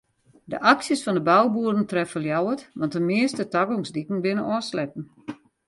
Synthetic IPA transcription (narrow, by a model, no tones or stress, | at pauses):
də̰ʔaksjəsfɔndəbawbuədən̩trɛfəljawətʋɔntəmɪəstətaɡɔŋsdikn̩bɪnənɔːslɛpn̩